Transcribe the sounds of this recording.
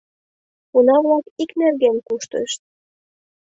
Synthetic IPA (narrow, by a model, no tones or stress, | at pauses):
unɑvlɑkiknerɣenkuʃt̪ə̰ʃt̪̚